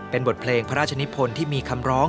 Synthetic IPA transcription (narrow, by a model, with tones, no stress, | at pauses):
pe˧nbo˨˩t̪̚pʰleː˧ŋpʰa˦˧ɾaː˥˩t͡ɕʰa˧ni˦˥pʰo˧nt̪ʰiː˥˩miː˧kʰa˧mɾɔː˦˥ŋ